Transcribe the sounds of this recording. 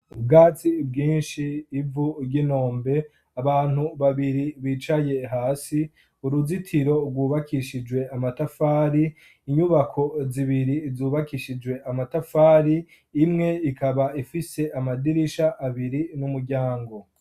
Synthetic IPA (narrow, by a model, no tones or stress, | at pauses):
bɡaːt͡sibɡiːnʃiːvuɾɟino̞ːmbe̞ | aβaːn̥huβaβiɾiβiːt͡ʃaje̞ɦaːsi | uɾuzitʰiɾo̞ɡwuːβakʰiʃid͡ʒwe̞amatafaːɾiː | ɲuβakʰo̞ziβiɾizuːβakiʃid͡ʒwe̞ʔamatafaːɾiː | mŋe̞ikaβaifise̞ʔamadiɾiʃaʔːβiɾinumuɾɟaːŋɡo̞